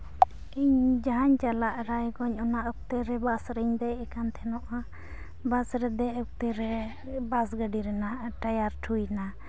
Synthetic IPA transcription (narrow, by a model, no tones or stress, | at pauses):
iɲd͡ʒaɦaɲt͡ʃalaʔɾajɡɔɲɔnaʔək̚t̪ɛɾɛbasɾəɲd̪ɛjɛkant̪ʰɛnɔʔa | basɾɛd̪ɛək̚t̪ɛɾɛ | basɡəɖiɾɛnaʔʈajaɾʈʰujna